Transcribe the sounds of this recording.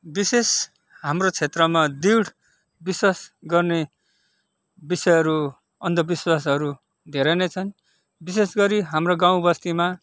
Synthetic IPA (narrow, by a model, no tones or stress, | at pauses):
bises | ɦamrot͡sʰet̪rʌmad̪iwɽ | biswasɡʌrne | bisʌjɦʌɾu | ʌnd̪ʌbiswasʌɾu | d̪ʱeɾʌnʌjt͡sʰʌn | bisesɡʌɾiɦamroɡaw̃bʌst̪ima